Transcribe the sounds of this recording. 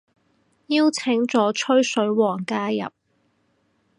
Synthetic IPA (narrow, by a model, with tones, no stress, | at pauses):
jiː˥wt͡sʰɪ˨˥ŋt͡ʃɔː˨˥t͡ʃʰɵ˥ɥsɵ˨˧˥ɥwɔː˨˩ŋkaː˥jɐ̰˨p̚